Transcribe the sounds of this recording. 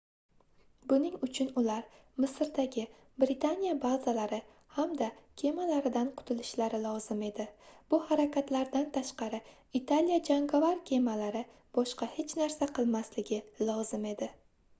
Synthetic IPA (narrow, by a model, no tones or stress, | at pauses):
bʊnɪŋʊt͡ʃʰʊnʊlaɾ | mɪsɾd̪aɡʲɪ | bɾɪt̪ʰanijabazalaɾɪ | hamd̪akʲʰe̞malaɾɪd̪anqʰʊ̥t̪ʰɪlɪʃlaɾɪlˠɒzɪme̞d̪ɪb̥ʊhaɾakʲʰat̪laɾd̪ant̪ʰaʃqɑɾɪ | it̪ʰalijad͡ʒaŋɡavaɾkʲʰe̞malaɾɪ | b̥ɒʃqɑhe̞t͡ʃnaɾsaqʰɨlˠmaslɪɡʲɪlˠɒzɪme̞d̪ɪ